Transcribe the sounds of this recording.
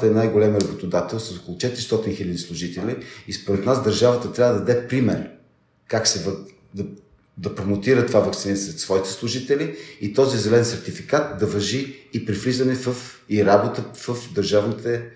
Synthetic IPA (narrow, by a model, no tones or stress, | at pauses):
t̪əɛnajɡolʲɛmiɾɐbot̪od̪at̪ɛlˠsɐsokolˠʊt͡ʃɛt̪iɾist̪ɔt̪inxilʲəd̪islˠʊʒit̪ɛlʲiispoɾɛt̪nasd̪əɾʒavət̪ət̪ɾʲavəd̪ɐd̪ɛt̪pɾimɛɾ | kaksɛvə | d̪ɐ | d̪ɐpɾomot̪iɾət̪ovavɐkt̪sinasɛt̪svɔit̪ɛ̥slˠʊʒit̪ɛliit̪ɔzizɛlɛɛnsɛɾt̪ifikat̪̚d̪ɐvɐʒiːpɾiflizɐnɛfəf | iɾabot̪əfəfd̪ɐɾʒavnit̪ɛ